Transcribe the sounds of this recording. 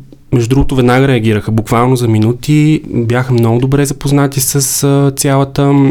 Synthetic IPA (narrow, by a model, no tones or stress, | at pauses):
mɛʒuʊd̪ɾuɡʊt̪ovɛd̪naɡəɾɛɐɡ̟iɾəxəbukvalˠnozɐminut̪ibjaxəmnɔɡʊd̪obɾɛzɐpoznat̪isəst̪sʲjalˠət̪ə